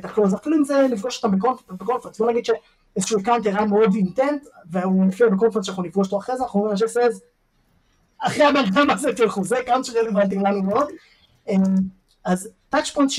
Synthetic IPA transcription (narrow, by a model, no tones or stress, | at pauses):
taχluazafiluimzelifɡoʃot̪ambekonfbekonft̪sbonaɡid̥̪ʃe | ezeʃuːakawnt̪jeʁajmeo̞d̪intentveunefiabekonftsʃanaχnunifɡoʃot̪oaχʁezeanaχuiʃ̬esez | aχeabaldamazetelχuzekawnt͡ʃeʁelevant̪̬imlanumeod̪ | em | aztat͡ʃpojntʃ